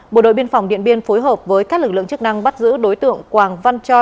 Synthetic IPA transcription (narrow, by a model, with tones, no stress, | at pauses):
ɓo̰˧˩ɗo̰˧˨jɓi˧ənfa˨˩wŋ͡mɗḭ˧˨ənɓi˧ənfo˨˦jɦəː˨˩p̚vəː˨˦jkaː˦˥k̚lk̚lɨ̰˧˨ə˨ŋt͡ɕɨ˦˥k̚na˧ŋɓa˦˥t̚zɨ̰˧˥ɗo˨˦jt̪ɨ̰˧˨əŋkwaː˨˩ŋva˧nt͡ɕɔ˧